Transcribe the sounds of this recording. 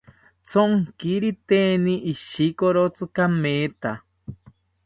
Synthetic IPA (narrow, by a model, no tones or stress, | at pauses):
t͡sʰoŋkiɾit̪eːniʔiʃikoɾot͡sɨkameːt̪a